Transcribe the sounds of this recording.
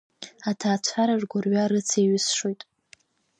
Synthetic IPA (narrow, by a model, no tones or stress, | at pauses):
atʰaːt͡ɕʷʰaɾaʐɡʷʊrɥaɾɨt͡sʰeɥɪsʂojtʼ